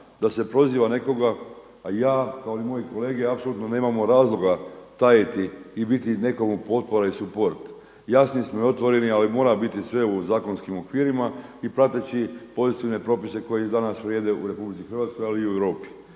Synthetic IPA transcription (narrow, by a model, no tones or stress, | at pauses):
d̪ase̞pɾo̞ziːʋane̞ko̞ɡa | ajaːkaoimo̞jiko̞le̞ːɡeapsolut̪none̞ːmamoɾaːzlˠo̞ɡat̪ajet̪iːbit̪ine̞ko̞mupo̞t̪̚po̞ɾaisupo̞ɾt̪ | jasnismoo̞t̪ʋo̞ɾe̞nialimo̞ːɾabit̪isʋe̞uzaːko̞nskimo̞kʋiːɾimaipɾat̪et͡ʃipo̞zit̪iʋne̞pɾo̞ːpise̞ko̞jed̪anasʋɾjeːd̪e̞uɾe̞publit̪sixɾr̩ʋat̪sko̞jaliːueʋɾo̞ːpi̥